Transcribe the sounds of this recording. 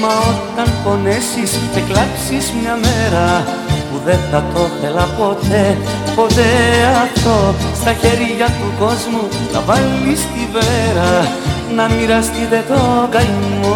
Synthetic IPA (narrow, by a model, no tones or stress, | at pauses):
mɐo̞t̪ɐnfo̞nesiseklɐpsizmɲɐmeɾɐ | puðe̞θɐt̪o̞θe̞lɐpo̞t̪e̞ | po̞t̪e̞ɐft̪o̞st̪ɐçe̞ɾiʝɐt̪uko̞zmu | nɐ̰vɐlːist̪iveɾɐ | nɐmiɾɐst̪it̪e̞t̪o̞ɡɐjumo